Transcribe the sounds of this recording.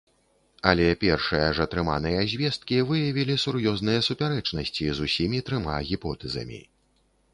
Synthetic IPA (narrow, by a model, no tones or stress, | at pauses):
ɐlʲɛpʲɛrʂɨjɐʐɐt̪ɾɨma̰nɨjɐzʲvʲɛst̪̚kʲivɨjɐvʲilʲisuɾjɔzn̪ɨjɐsupʲaɾɛt͡ʂnɐsʲt͡sʲizusʲimʲit̪ɾɨma̰ɣʲipɔt̪ɛzɐ̰mʲḭ